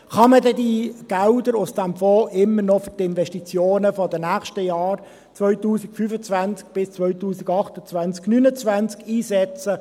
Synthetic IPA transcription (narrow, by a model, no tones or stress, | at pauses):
χɑmədɛdiɡ̥aʊdəɾʊsd̥æmfoːʔɪmːənɔfʏtɪnvɛʃtit͡sjoːnəfɔdənæχʃtəjaːɾ | t͡sʋœʏɥtuːsɪkfyfət͡sʋansk̚b̥ɪst͡sʋœʏtuːsiɡɑχtət͡svant͡sknynət͡svant͡skiːsɛt͡sə